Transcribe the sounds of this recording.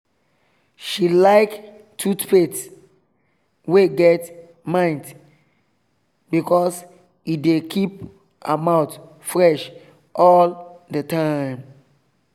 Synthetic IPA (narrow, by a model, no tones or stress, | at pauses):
ʃilaɪk | tʰutwet | weɡɛt | mãɪ̃nt | bikɔs | idekʰip̚ | amaʊt | fɹɛʃ | ʔɔldətʰãɪ̃m